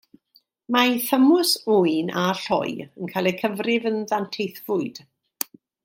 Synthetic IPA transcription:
majθəmʊsuɨnaɬɔ̰jənkʰajlˠəkʰəvrɪvənðantʰejθv̥ʊɨd̥

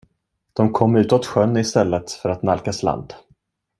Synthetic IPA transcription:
d̪̥ɔmkʰɔmːʉ̟ːt̪ɔt̪ɧœnːɪst̪ɛlːət̪fœɾat̪nalkasla̰nd̪̥

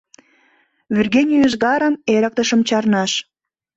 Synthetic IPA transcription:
βyrɣenʲijəʒɣɑɾəneɾək̚t̪əʃəmt͡ɕɑrnɑʃ

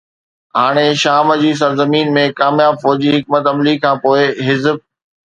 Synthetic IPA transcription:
ɦaːɽ̃eʃaːməd͡ʑiːs̬ɐɾzəmiːnmẽkaːmjaːbfɔːd͡ʑiɦɪk̚mət̪ɐmlikʰãːpoːeɦɪzb̚

